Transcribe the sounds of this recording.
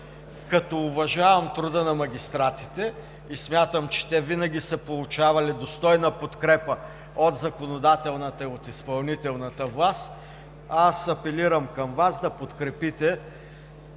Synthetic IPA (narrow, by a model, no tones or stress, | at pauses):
kɐt̪ɔʊvɐʒavɐmt̪ɾud̪ənɐmɐɡʲist̪ɾat̪si̥t̪ɛ | ismʲjat̪əmt͡ʃɛ̥t̪ɛvinɐɡʲisəpolˠut͡ʃavɐlid̪ost̪ɔjnəpot̪kɾɛpə | ot̪zɐkonod̪at̪ɛlˠnət̪əiot̪ispɐlˠnit̪ɛlˠnət̪əvlˠast̪ | asɐpɛliɾəmkɐmvazd̪ɐpot̪kɾɛpit̪ɛ